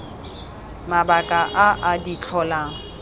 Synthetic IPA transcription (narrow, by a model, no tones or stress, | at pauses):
mabakʼaʔaʔadit͡ɬʰɔlaŋ̩